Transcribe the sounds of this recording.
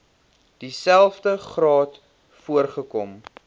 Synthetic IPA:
d̥isælˠfdəχrɑːt | fuərχəkɔm

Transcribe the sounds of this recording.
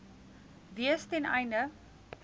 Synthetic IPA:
viəstɛnɐ̰jnə

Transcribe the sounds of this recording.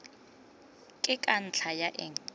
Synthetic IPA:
kʼɪkʼan̩t͡ɬʰajaʔɛ̰ŋ

